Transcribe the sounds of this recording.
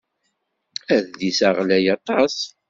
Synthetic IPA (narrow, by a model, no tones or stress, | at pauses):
æððisəʁlæjɑt̪ˤɑs